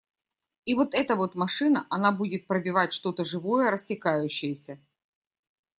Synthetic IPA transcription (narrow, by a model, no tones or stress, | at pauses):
ivo̞t̪ɛt̪əvo̞t̪mɐʂɨnəʔɐnabudʲɪt̪̚pɾəbʲɪvatʲʂt̪o̞t̪əʐɨvo̞jəɾəsʲtʲɪkajʉɕːɪjəsʲə